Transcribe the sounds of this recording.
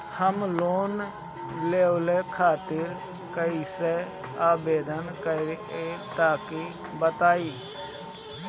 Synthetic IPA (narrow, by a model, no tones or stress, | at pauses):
həmloːn | leːʊlekʰaːt̪ɪɾ | kəise | aːbeːd̪ənkəɾet̪aːki | bət̪aːiː